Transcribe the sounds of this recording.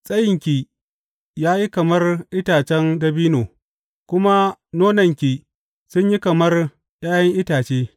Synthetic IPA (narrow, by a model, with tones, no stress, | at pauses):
sʼɐ˦jɪ˨ŋkʲi˨ | jaː˦ji˦kɐ˨mɐ˦rʔɪ˦taː˨t͡ʃɛ˦ndɐ˦biː˦noː˨ | kʷʊ˦ma˦noː˦nɐ˨ŋkʲi˨ | sʊ˦ɲji˦kɐ˨mɐ˦r | jaː˦jɐ˦ŋʔɪ˦taː˨t͡ʃeː˦